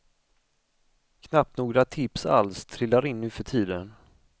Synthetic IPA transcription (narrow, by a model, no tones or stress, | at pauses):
kʰnap̚t̪nuːɡɾat̪ʰɪpsa̰lst̪ʰɾɪlːaɾɪnːʉ̟ːfœʈʰiːd̪ən